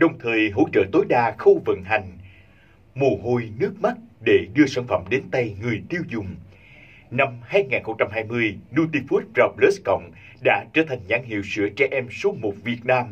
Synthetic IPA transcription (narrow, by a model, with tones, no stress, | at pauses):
ɗə˨˩wŋ͡mt̪ʰəː˨˩jɦo̰˧˥t͡ɕə̰ː˧˨t̪o˨˦jɗaː˧xə˧wvə̰˧˨nɦa˨˩jŋ̟ | mo˨˩ɦo˧jnɨ˦˥ək̚ma˦˥t̚ɗe˧˩ɗɨ˧əsaː˧˩nfə̰˧˩˨mɗe˨˦nt̪a˧jŋɨ˨˩əjt̪i˧əwzʊ˨˩ŋ͡m | na˧mhaː˧jŋaː˨˩nxə˧wŋ͡mt͡ɕa˧mɦaː˧jmɨ˧əjnu˧t̪i˧fu˦˥t̚za˧˩p̚le˦˥skə̰˧˨wŋ͡m | ɗa̰ː˧˥t͡ɕəː˧˩t̪ʰa˨˩jŋ̟zaː˨˦ŋɦḭ˧˨əwsɨ̰˧˥ət͡ɕɛ˧ʔɛ˧mso˨˦mo˨˩t̚vi˨˩ət̚naː˧m